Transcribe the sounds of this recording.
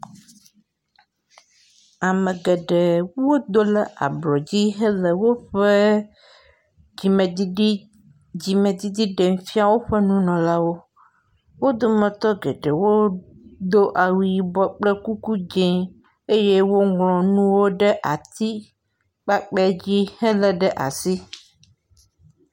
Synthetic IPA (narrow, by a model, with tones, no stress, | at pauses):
a˨mə̃˨ɡɛ˨ɖe˨wo˦d̪o˦lə˨ʔa̰˨blɔ˨d͡ʑi˦ɦə˦lə˨wo˦ɸə˦ | i˨m˨ | d͡ʑi˨mẽ˨d̪i˦d̪i˦ɖe˨ŋ˦fi˦a˦˨wo˦ɸə˦nũ˦nɔ̃˨la˦wo˦ | wo˦d̪o˦mɛ̃˨t̪ɔ˦ɡe˨ɖe˨wo˦d̪o˦ʔa˨wu˨ji˨bɔ˦k͡plə˦ku˦ku˦d͡ʒẽ˦ | e˦je˦wo˦ŋlɔ̃˨nũ˦wo˦ɖə˦ʔa˨t̪i˦ | k͡pa˦k͡pɛ˦d͡ʑi˦hə˦lə˨ɖə˦ʔa̰˨si˦